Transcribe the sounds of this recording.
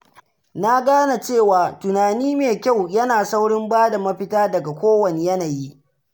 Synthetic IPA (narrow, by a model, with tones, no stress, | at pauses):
na˦ɡaː˦na˨t͡ʃeː˦˨waː˨tʊ˨naː˨niː˦meː˨kʲa˦˨wjɐ˦naː˨sa˦wɽɪ˦mbaː˦da˨mɐ˦ɸɪ˦taː˦dɐ˨ɡa˨kʷoː˦wɐ˨ne˨jɐ˦na˨ji˦ʔ